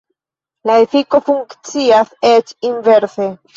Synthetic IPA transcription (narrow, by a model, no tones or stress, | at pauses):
laefiko̞fuŋkt͡siaset͡ʃinve̞ɾse